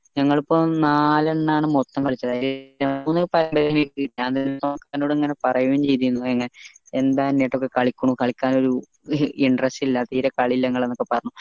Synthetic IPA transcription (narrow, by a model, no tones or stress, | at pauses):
ɲɐŋːɐɭipːo̞ːnaːlɐɳːaːɳɨmot̪ːɐŋkɐɭit͡ɕːɐðaːjlɐuːnːɨpɐɾɐmbɐɾiɐnikiːʈijaːɐnd̪enːt̪ːoːkːaːnoːɽeŋːɐne̞pɐrɐjuʋɐmt͡ɕejt̪ikunːueŋːɐneend̪aːenːejʈːo̞kːekɐɭikʲːuɳukɐɭikʲːaːno̞ɾu | iɳɖrɐstilːɐt̪iːɾɐkɐɭilːɐeŋːɐɭe̞nːokːe̞pɐrɐɲːu